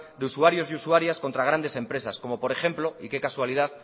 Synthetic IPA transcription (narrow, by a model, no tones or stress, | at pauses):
d̪eusuaɾjo̞zjusuaɾjasko̞nt̪ɾaɣ̞ɾand̪e̞se̞mpɾe̞sasko̞mo̞po̞ɾe̞xe̞mplo̞ike̞kaswaliðaθ